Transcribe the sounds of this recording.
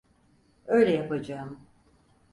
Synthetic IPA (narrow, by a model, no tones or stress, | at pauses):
øjlʲɛjapad͡ʒaːm